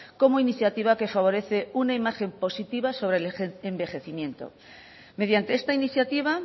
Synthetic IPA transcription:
ko̞moiniθjat̪iβ̞ake̞faβ̞o̞ɾe̞θe̞unaimaxe̞mpo̞sit̪iβaso̞βɾeleembe̞xe̞θimje̞nt̪o̰ | með̞jant̪e̞est̪ainiθjat̪iβ̞a

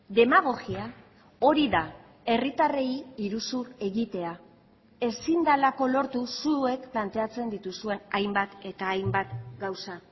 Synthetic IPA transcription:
ðe̞maɣ̞o̞ɣia | o̞ɾiða | e̞rit̪are̞jiɾusue̞ɣit̪e̞a | e̞sind̪alako̞lo̞ɾt̪usue̞kplant̪e̞at͡se̞nd̪it̪usue̞najmbat̪e̞t̪aːjmbat̪ɡawsa

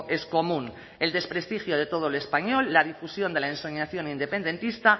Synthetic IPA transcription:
ʔe̞sko̞mũn | e̞ld̪e̞spɾe̞st̪ixjoð̞e̞t̪o̞ð̞olespaɲo̞lːaðifusjond̪elaensoɲaθjo̞nind̪epe̞nd̪e̞nt̪ist̪a

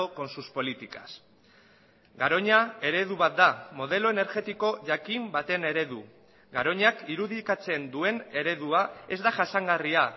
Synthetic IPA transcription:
oko̞nsuspo̞lit̪ikas | ɡaɾo̞ɲae̞ɾe̞ð̞uβ̞at̪̚d̪amo̞ð̞e̞lo̞e̞ne̞ɾɣe̞t̪iko̞ʝakimbat̪e̞ne̞ɾe̞ðu | ɡaɾo̞ɲakiɾuðikat͡se̞nd̪ue̞ne̞ɾe̞ðuae̞zd̪aʝasaŋɡaria

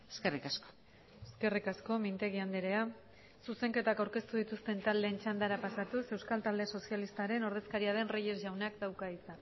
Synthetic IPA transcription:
eskerikasko̥ | eske̞rikasko̞mint̪e̞ɣ̞iand̪eɾea | suse̞ŋke̞t̪akawɾke̞st̪uð̞it̪ust̪e̞nt̪ald̪e̞ːnt͡ʃand̪aɾapasat̪use̞wskalt̪ald̪e̞so̞sialist̪aɾe̞no̞ɾðe̞skaɾiaðe̞nreje̞zʝawnakd̪awkaisa

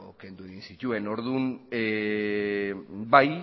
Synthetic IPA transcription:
oke̞nd̪ue̞ɣinsit̪ue̞no̞ɾðun | baj

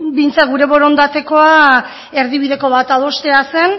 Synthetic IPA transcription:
bint͡saɡuɾe̞βo̞ɾo̞nd̪at̪e̞ko̞a | e̞ɾðiβið̞e̞ko̞βat̪aðo̞st̪e̞ase̞n

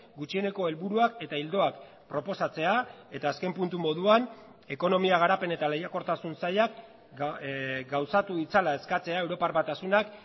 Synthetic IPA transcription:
ɡut͡ʃie̞ne̞ko̞e̞lβuɾuake̞t̪aild̪o̞ak | pɾo̞po̞sat͡se̞ae̞t̪aːske̞mpunt̪umo̞ðuan | e̞ko̞no̞miaɣ̞aɾape̞ne̞t̪ale̞jako̞ɾt̪asunsajak | ɡawsat̪uit͡salae̞skat͡se̞aewɾo̞paɾβat̪asunak

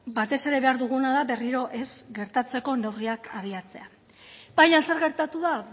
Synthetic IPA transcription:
bat̪e̞se̞ɾe̞βe̞aɾðuɣ̞unaðaβe̞riɾo̞ʔe̞zɡe̞ɾt̪at͡se̞ko̞ne̞wriakʰaβ̞iat͡se̞a | bajase̞ɾɣe̞ɾt̪at̪uða

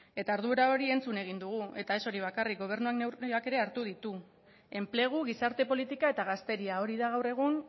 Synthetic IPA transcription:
e̞t̪aɾðuɾao̞ɾie̞nt͡sune̞ɣ̞ind̪uɣ̞ue̞t̪ae̞so̞ɾiβakarik̚ɡo̞β̞e̞ɾnuaknewake̞ɾe̞aɾt̪uð̞it̪u | e̞mple̞ɣ̞uɣ̞isaɾt̪e̞po̞lit̪ikae̞t̪aɣast̪e̞ɾiao̞ɾiðaɣawre̞ɣ̞un

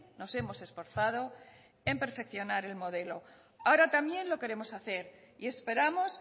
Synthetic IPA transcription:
no̞se̞mo̞se̞sfo̞ɾθað̞o̞ | e̞mpe̞ɾfe̞kθjo̞naɾe̞lmo̞ð̞e̞lo̞ | aoɾat̪amjẽ̞nlo̞ke̞ɾe̞mo̞saθe̞ɾ | ie̞spe̞ɾamo̞s

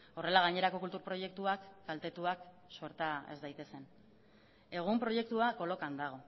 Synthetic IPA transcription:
o̞re̞laɣ̞aɲe̞ɾako̞kult̪uɾpɾo̞je̞k̚t̪uakːalt̪e̞t̪uak | soeɾt̪aḛzd̪ajt̪e̞se̞n | e̞ɣ̞umpɾo̞je̞k̚t̪uako̞lo̞kand̪aɣ̞o̞

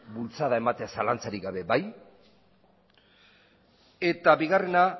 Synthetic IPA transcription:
bult͡saðae̞mat̪easalant͡saɾiɣɡaβe̞baj | e̞t̪aβiɣare̞na

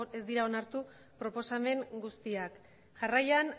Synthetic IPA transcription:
e̞zd̪iɾao̞naɾt̪u | pɾo̞po̞same̞ŋɡust̪iak | ʝarajan

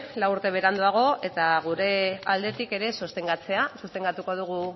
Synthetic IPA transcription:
lawuɾt̪e̞β̞e̞ɾand̪uaɣ̞o̞e̞t̪aɣ̞uɾe̞ald̪e̞t̪ike̞ɾe̞sost̪e̞ŋɡat͡se̞asust̪e̞ŋɡat̪uko̞ð̞uɣ̞u

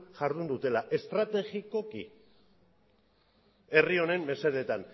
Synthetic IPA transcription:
ʝaɾðund̪ut̪e̞laʔe̞st̪ɾat̪e̞ɣiko̞kḭ | e̞rio̞ne̞mme̞se̞ðe̞t̪an

